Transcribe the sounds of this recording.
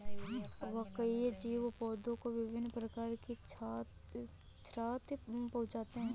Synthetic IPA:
ʋɐkəid͡ʒiːʋopɔːd̪õkoʋɪʋɪnːpɾəkaːɾkit͡ʃː | t͡ʃʰɾaːt̪pɐɦʊt͡ʃd͡ʒaːt̪eɦɛ̃ː

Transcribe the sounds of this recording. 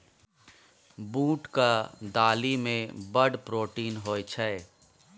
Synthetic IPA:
buːʈkad̪aːlimẽbəɖpɾoːʈiːnɦoːjt͡ʃʰɛ

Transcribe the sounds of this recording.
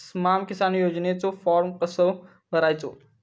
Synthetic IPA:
smaːmkɪsaːnjoːd͡ʒnet͡sofɔːɾmkəsəʋ | bɐɾaːit͡ʃo̰ː

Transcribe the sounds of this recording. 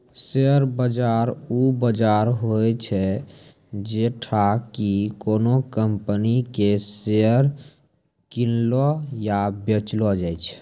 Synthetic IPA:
seəɾbəd͡ʒaɾubəd͡ʒaɾɦot͡ʃʰɛ | d͡ʒeʈʰakikonokəmpənikeseəɾ | kinlɔjabet͡ʃlɔd͡ʒajt͡ʃʰ

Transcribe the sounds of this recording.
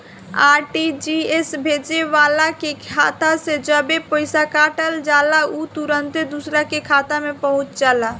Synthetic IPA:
aːɾʈid͡ʒiesbʱeːd͡ʒeʋaːlakekʰat̪asẽd͡ʒəbepəɪsakaːʈəld͡ʒaːlaut̪uɾənt̪ed̪usɾakekʰaːt̪amẽpəɦʊ̃t͡ʃd͡ʒaːla

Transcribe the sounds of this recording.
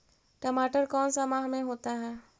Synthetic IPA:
ʈəmaːʈəɾkɔːnsamaːɦmẽɦoːt̪aɦɛː

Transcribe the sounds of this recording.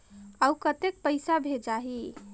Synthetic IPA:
aukət̪ek̚pəɪsabʱed͡ʒaɦi

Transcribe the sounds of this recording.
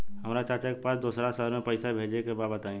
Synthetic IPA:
hɐmɾat͡ʃaːt͡ʃakepaːsd̪oːsɾasalmẽpɐɪsabʱeːd͡ʒekebaːbət̪aːẽ

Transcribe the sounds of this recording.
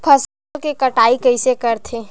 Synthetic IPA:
pʰɐs | kekɐʈaːikɐisekɐɾt̪ʰeː

